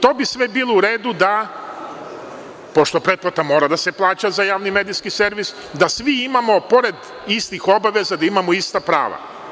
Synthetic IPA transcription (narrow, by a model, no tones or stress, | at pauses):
t̪o̞ːbisʋe̞biːlˠouɾeːd̪ud̪a | po̞ʃt̪o̞pɾe̞d̪̚plˠat̪amo̞ːɾad̪aseplˠaːt͡ɕazajaːʋnimeːd̪iskiseɾʋis | d̪asʋiimamo̞po̞ɾe̞d̪ | ist̪ixo̞baʋe̞zad̪aimamoist̪apɾa̰ːʋa̰